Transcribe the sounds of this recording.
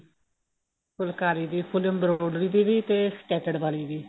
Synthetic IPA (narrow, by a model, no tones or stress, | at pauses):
kʊlkaːɾiːd̪iːpʰʊləmbɾoːɖɾiːd̪iːʋiːt̪eːsʈɛːʈəɖʋaːliːd̪iː